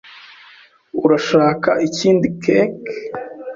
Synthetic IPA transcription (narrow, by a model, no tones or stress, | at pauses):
uɾaʃaːkaʔiciːndikek